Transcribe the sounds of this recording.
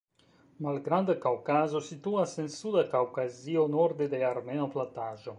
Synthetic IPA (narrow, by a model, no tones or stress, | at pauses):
malɡɾand̪akawkazosit̪uasensud̪akawkazionoɾd̪ed̪eaɾmenoplant̪aʒo